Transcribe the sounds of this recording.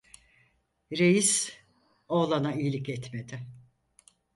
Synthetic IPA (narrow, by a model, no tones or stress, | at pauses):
ɾe̞jis | olˠanaijlʲikɛt̪me̞d̪ɪ